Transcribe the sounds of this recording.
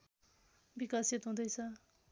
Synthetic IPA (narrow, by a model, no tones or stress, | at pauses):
bikʌsit̪ɦũd̪ʌjt͡sʰʌ